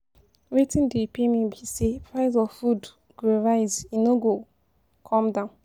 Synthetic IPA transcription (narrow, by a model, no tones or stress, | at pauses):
wetĩndepemĩbisepʰɹaɪzɔvfud | ɡ̥oɹaɪzinoɡo | kʰɔ̃mdãʊ̃n